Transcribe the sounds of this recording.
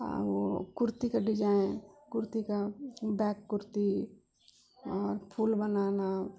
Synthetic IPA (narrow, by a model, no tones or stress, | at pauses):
a̰ʋokʊɾt̪ikaɖɪd͡ʒaːẽkʊɾt̪ikabɛːkːʊɾt̪i | ɔːɾpʰulbənaːna